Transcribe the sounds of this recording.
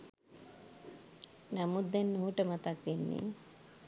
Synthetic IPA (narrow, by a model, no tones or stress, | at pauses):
namud̪enːuɦuʈəmat̪akʋenːḭ